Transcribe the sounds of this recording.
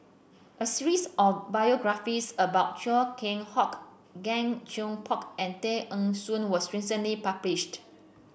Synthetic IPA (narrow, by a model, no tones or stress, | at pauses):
ʔəsiɹisɔfbajɔɡɹafisəbaʊt̚t͡ʃɔkʰẽŋhɔk | ɡɛ̃ŋd͡ʒõŋpʰɔkɛ̃nt̪eʔə̃ŋsũnwɔsɹisə̃ntlipabliʃt